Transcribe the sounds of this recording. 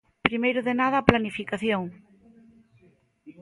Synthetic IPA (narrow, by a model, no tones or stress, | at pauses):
pɾimejɾʊðenaðɐːplanifikaθjoŋ